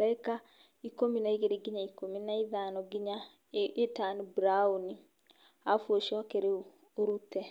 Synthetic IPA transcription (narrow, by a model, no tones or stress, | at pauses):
laeka | ikominaiɣeɾeɡiɲaikominaiðanɔɡiɲa | etanibɾauni | afwoʃɔkeɾe | oɾutɛ